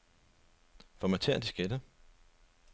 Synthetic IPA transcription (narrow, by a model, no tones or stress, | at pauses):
fɒ̽mæt͡sʰeɐd̥isɡ̥ed̥ə